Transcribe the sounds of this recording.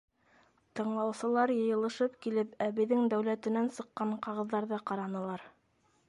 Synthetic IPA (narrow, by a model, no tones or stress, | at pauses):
t̪ɤ̆ɴlˠɑwsɤ̆lˠɑɾjɤ̆jɤ̆lˠɤ̆ʃɤpkilɘpæbɘ̆ðːɘŋd̪æwlæt̪ɘ̆nænsɤ̆qːɑɴqɑʁɤ̆ðːɑɾðɤqɑɾɑnɤ̆lˠɑɾ